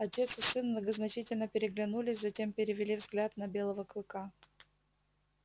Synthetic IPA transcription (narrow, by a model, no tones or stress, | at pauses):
ɐtʲe̞t̪sɨsːɨnmnəɡəznɐt͡ɕitʲɪlʲnəpʲɪɾʲɪɡlʲɪnulʲɪsʲzɐtʲe̞mpʲɪɾʲɪvʲɪlʲivzɡlʲat̪nɐbʲe̞lˠəvəklˠɨka